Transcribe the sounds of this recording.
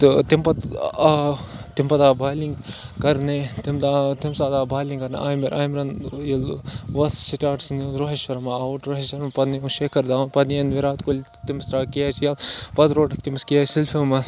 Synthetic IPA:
t̪t̪impɐt̪ | t̪impɐt̪aːbʱaːliŋɡkɐɾnet̪imt̪at̪imsaːd̪aːbaːjliŋkɐɾnḛʔaːjmeɾʔaːjmɾɐnjilʋɐssiʈʲaːʈsniɾoɦiʃʋɐɾmaaʋuʈɾoɦeʃɐɾmpɐd̪niuʃekʰɐɾd̪aːnpɐd̪niɐnʋiɾaːt̪kolʲ | t̪imɐst̪ɾaːkijat͡ʃʰijalpɐt̪ɾoːʈɐkt̪imɐskijaːsilfimɐs

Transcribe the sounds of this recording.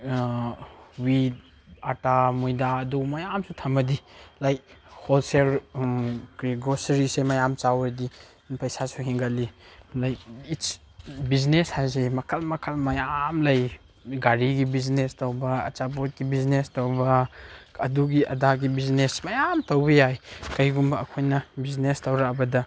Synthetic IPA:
wid̚ | atamujdaɐdumɐjamsutʰɐmɐdilajk̚holsel | kɾiɡosɾisemɐjamt͡ʃawedi | pɐjsasuɦiŋɡalilajkit͡ʃ | bizneshajzemɐkʰɐlmɐkʰɐlmɐjamlɐj | ɡaɾiɡibiznestowbɐɐ̰t͡ʃabot̚kibiznestowbɐɐduɡiɐ̰daɡibiznesmɐjamtɐwbɐjajkɐjɡumbɐːkʰojnɐbiznestɐwɾaɐbɐdɐ

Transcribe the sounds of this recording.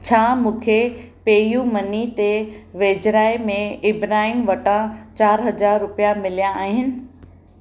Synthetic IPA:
t͡ɕʰaːmũːkʰepeːjumɐnit̪eʋeːd͡ʑɾaːimẽɪbɾaːɦiːmʋɐʈãt͡ɕaːɾɦɐzaːɾːʊpijamɪlijaaːɦɪnɪ̆

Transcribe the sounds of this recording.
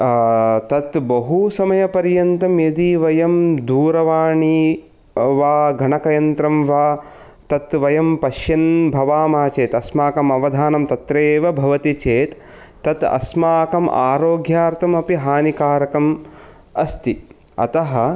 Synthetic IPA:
t̪ɐt̪bɐɦusɐmɐjɐpɐɾjɐnt̪ɐmjɐd̪iʋɐjɐmd̪uːɾɐʋaːɳi | ʋaːɡʱɐɳɐkɐjɐnt̪ɾɐmʋaː | t̪ɐt̪ʋɐjɐmpɐʃjɐnbʱɐʋaːmaːt͡ʃeːt̪ɐsmaːkɐmɐʋɐd̪ʱaːnɐmt̪ɐt̪ɾeːʋɐbʱɐʋɐt̪it͡ʃeːt̪ː | ɐt̪ɐ̰smaːkɐma̰ːɾoːɡjaːɾt̪ʰɐmɐpiɦaːnikaːɾɐkɐm | ɐst̪i | ɐ̰t̪ɐɦɐ̆

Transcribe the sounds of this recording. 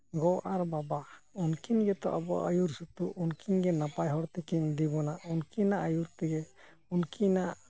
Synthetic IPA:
ɡɔʔaɾbabaunkiɲɡɛt̪ɔ̰ʔabɔ̰ʔajuɾsut̪uʔunkiɲɡɛnapajɦɔɾt̪ɛkiɲd̪ibɔnaunkinaʔajuɾt̪ɛɡɛ | unkʰinaʔ

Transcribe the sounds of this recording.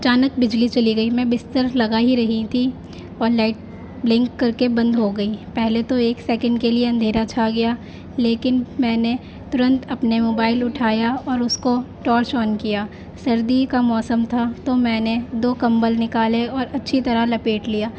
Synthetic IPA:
ɐt͡ʃaːnək̚bɪd͡ʒlit͡ʃɐliɡɐimɛ̃bɪst̪əɾlɐɡaːɦiɾɐɦit̪ʰi | ɔːɾlaːɪʈ̚ | blɪ̃ŋkːɐɾkebɐ̃nd̪ɦoɡɐipɛɦlet̪oeːksɛːkə̃ɳɖkelieɐ̃nd̪ʱeːɾat͡ʃʰaɡɐjaː | leːkɪnmɛ̃ːne | t̪ʊɾə̃nt̪ɐpnemoːbaːɪlʊʈʰaːjaɔːɾʊskoʈɔːɾt͡ʃɔːnkijaː | sɐɾd̪ikamɔːsəmt̪ʰat̪omɛ̃ːned̪oːkɐ̃mbəlnɪkaːleɔːɾɐtːʃʰit̪ɐɾalɐpeːʈlijaː

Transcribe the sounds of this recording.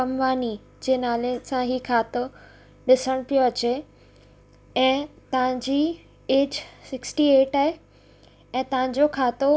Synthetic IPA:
ɐmʋaːni | d͡ʑeːnaːlesãɦikʰaːt̪o | ɗɪsəɽ̃pijoɐt͡ɕe | ɛ̃ːt̪ɐʋ̤ãɲd͡ʑiː | eːd͡ʑsɪksʈieːʈaɦe | ɛ̃ːt̪ɐʋãɲ̆d͡ʑokʰaːt̪o

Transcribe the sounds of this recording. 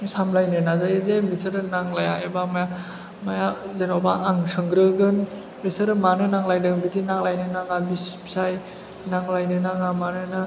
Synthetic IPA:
samlajnɯnazajezebisɯɾɯnaŋlaja̰ebamaja | majazenɔbaʔːŋsɯŋɡɾɯɡɯn | bisɯɾɯmanɯnaŋlajdɯŋbitinaŋlajnɯnaŋabisbsaj | naŋlajnɯnaŋamanɯna

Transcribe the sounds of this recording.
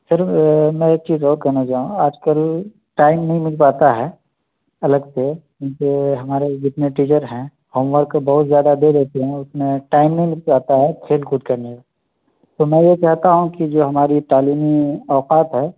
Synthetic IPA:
sɐɾmɛ̃ek̚t͡ʃiːzɔːɾkɐɾnad͡ʒaːɦũaːd͡ʒkəl | ʈaːɪmnɐɦĩmɪt͡ʃpaːt̪aɦɛː | ɐləɡsekjũːkeɦɐmaːɾed͡ʒɪt̪neʈiːd͡ʒəɾɦɛ̃ | hoːmʋəɾkbɐɦʊt̪zjaːd̪ad̪eɾɛɦt̪eɦɛ̃ʊsmẽʈaːɪmnɐɦĩmɪt͡ʃpaːt̪aɦɛt̪ʰeːlkʊd̪̚kɐɾneka | t̪omɛ̃jekɛɦt̪aɦũkid͡ʒoːɦɐmaːɾit̪aːliːmiɔːqaːt̪ɦɛː

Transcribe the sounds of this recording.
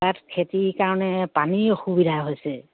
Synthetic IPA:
atkʰetikaɹɔnɛpanixubidʱaɦojsɛ

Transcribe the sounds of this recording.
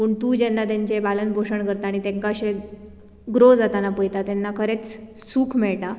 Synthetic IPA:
pəːɳt̪uːd͡ʑɛnːat̪jaɲt͡ɕebalənbʱoʂəɳkəɾt̪aːɽ̃it̪ẽŋkaəɕe | ɡɾod͡zat̪anapəjt̪at̪enːakʰəɾet͡s | suːkʰmɛɭʈa

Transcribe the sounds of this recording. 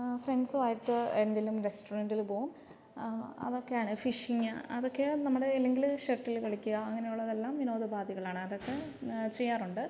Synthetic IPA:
frenɖsɨaːjiʈːɨend̪ilumɾesʈurɐɳɖilpo̞ːɣum | ɐ̰ðo̞kːe̞jaːɳɨfiʂiŋɨɐ̰ðo̞kːe̞nɐmːuɽe̞ːlːeŋɡilʂeʈːilkɐɭikʲːuɣɐɐŋːɐne̞juɭːɐðe̞lːaːmʋino̞ːðɨbaːd̪ʱiɣɐɭaːɳɨɐðo̞kːe̞t͡ɕejːaːruɳɖɨ

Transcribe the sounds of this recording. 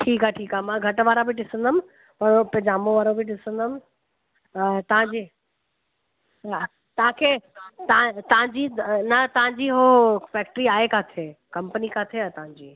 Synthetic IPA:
ʈʰiːkaeʈʰiːkaɦemãɡʱɐʈʋaːɾabʱɪɖɪsə̃nd̪əm | pɐɾõpɐ̃d͡ʑaːmõʋaːɾõbʱɪɖɪsə̃nd̪əmɪ | t̪ɐʋ̤ãɲd͡ʑi | t̪ɐʋ̤ãkʰeːt̪ɐãt̪ɐɦãɲd͡ʑinɐt̪ɐʋ̤ãɲd͡ʑiːɦofɛːk̚ʈɾiaːekaːt̪ʰeːkɐ̃mpənikaːt̪ʰeat̪ɐɦãɲd͡ʑiː

